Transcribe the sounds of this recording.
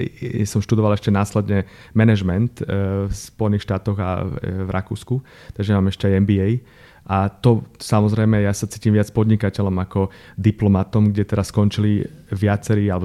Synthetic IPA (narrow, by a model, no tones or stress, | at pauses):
sɔmʃt̪ud̪ɔʋalɛʃcɛnaːslɛd̪ɲɛ | mɛnɛʒmɛnt̪fspɔjɛniːxʃt̪aːt̪ɔɣa̰vɾʔa̰kṵːsku | t̪aɡʒɛmaːmɛʃcɛajɛmbiɛj | ʔat̪ɔsamɔzɾɛjmɛjasat͡siːcimʋɪat͡spɔd̪ɲikacɛlɔmakɔ | d̪iplɔmat̪ɔmɡɟɛt̪ɛɾaskɔnt͡ʃiliʋɪat͡sɛɾiːalɛbɔ